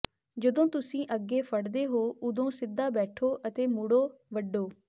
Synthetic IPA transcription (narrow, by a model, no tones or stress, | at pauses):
d͡ʒəd̪õːt̪ʊsĩːʔəɡeːpʰəɽd̪eːɦoːʊd̪õːsɪd̪ːaːbɛːʈʰoːʔət̪eːmʊɽoːʋəɖoː